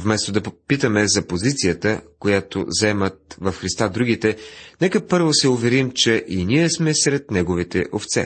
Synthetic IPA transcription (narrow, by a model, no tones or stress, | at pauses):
vmɛst̪od̪ɐpit̪əmɛzɐpozit̪sijət̪əkojat̪o̰zɛmət̪̚vɐfxɾist̪ad̪ɾuɡ̟it̪ɛnɛkəpɤɾvosɛʊvɛɾimt͡ʃɛʔiniɛsmɛsɾɛt̪nɛɡovit̪ɛ̰ʔoft̪sɛ̰